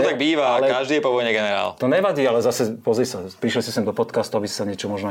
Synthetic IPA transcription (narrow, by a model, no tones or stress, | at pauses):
ɔt̪aɡ̚biːʋaalɛkaʒd̪iːɛpɔʋɔjɲɛɡɛnɛɾa̰ːlt̪ɔɲɛʋaɟiːalɛzasɛpɔzɾisapɾiʃlisɛsɛmd̪ɔpɔt̪kaːst̪uabisi̥saɲɪɛt͡ʃɔmɔʒnɔ